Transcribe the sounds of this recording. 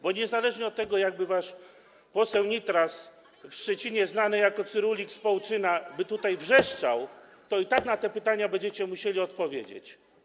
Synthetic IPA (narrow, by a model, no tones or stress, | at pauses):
bɔɲɛzalɛʐɲɛɔt̪ːɛɡɔjaɡ̚bɘvaʂ | pɔsɛwɲit̪ɾas | fʂt͡ʂɛt͡ɕiɲɛznanɛjakɔt̪sɘɾulʲikspɔwt͡ʂɘnabɘt̪ut̪ajvʐɛʂt͡ʂa̰w | t̪ɔit̪aknat̪ɛpɘt̪aɲabɛɲd͡ʑet͡ɕɛmuɕelʲiɔt̪pɔvʲjed͡ʑḛt͡ɕ